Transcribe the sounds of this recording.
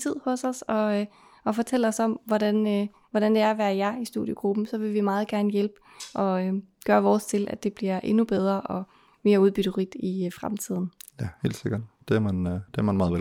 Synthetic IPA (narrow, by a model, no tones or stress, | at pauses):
t͡sʰið̰ˠhɔ̽sɒ̽sɒ̽ | ɒ̽fɒt͡sʰel̰ɒ̽sɒ̽m̰ʋɒd̥æn | ʋɒɾ̥ænd̥e̝æɐæʋæːɐjɑ̈isd̥ṵð̰ˠjəɡ̥ʁub̥n̩sɒ̽ʋe̝ʋimɑ̈ːð̞̩ˠɡ̥æɐnəjelb̥ə | ʔɒ̽ɡ̥ɶːɐʋɒːst͡sʰe̝lʔæd̥e̝b̥liɐʔe̝nub̥eð̞ˠʁɐʔɒ̽ | me̝ːɐuð̞ˠb̥yd̥əʁid̥ifʁamt͡sʰið̞̰ˠn̩jæhe̝̰ːld̥se̝ɡ̥ɐd̥d̥e̝æɐmænd̥e̝æɐmænmɑ̈ːðˠʋe